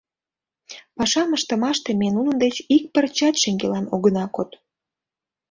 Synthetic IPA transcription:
pɑʃɑməʃt̪ə̆mɑʃt̪emenunənd̪et͡ɕik̚pərt͡ɕɑt̪ʃeŋɡelɑnoɣənɑkot̪

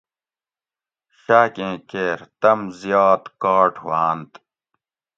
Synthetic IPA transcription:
ɕaːkẽːkeːɾt̪ɐmzjɑːt̪kaːʈʰwaːnt̪

